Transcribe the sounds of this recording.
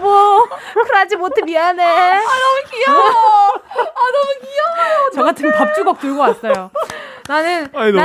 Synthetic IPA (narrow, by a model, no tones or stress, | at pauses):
bokʰɯɾad͡ʑimotʰɯmianeanʌmukiʌ | anʌmukiʌaot͡ɕʌɡatʰɯmepʌp̚t͡ɕ͈uɡʌk̚t͈uɭɡʌkwats͈ʌjo | nanɯna